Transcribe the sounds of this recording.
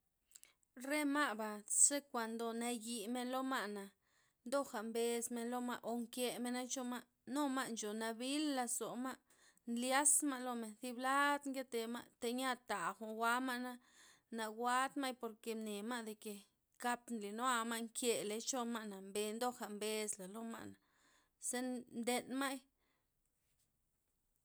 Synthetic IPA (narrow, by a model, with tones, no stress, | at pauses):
ɾe˦ma˦ba˨se˦kʷa˨nd̪o˨na˧ji˨me˧nlo˦ma˦ʔna˨ | nd̪o˦xa˨mbe˧sme˧nlo˦˧ma˧ʔo˨ŋkje˧me˧na˦t͡ʃo˧ma˦ʔ | no˦ma˦ʔnt͡ʃo˨na˧bi˦lːa˧so˨ma˦ʔ | nlja˦sma˧lo˧me˨nθi˧bla˦d̪ŋɡe˦t̪e˨ma˧ʔt̪e˧ɲa˦t̪a˨xo˧wa˦ma˦ʔna˦ | na˨ɡʷa˦d̪ma˦jpo˧ɾke˨ne˨ma˦ʔd̪e˨ke˨ | ka˧pnli˨no˦a˧ma˦ʔŋkje˨le˨t͡ʃo˧ma˧ʔna˨mbe˧nd̪o˦xa˨mbe˧sla˨lo˦ma̰˧ʔna˨ | se˦nnd̪e˧nma˦j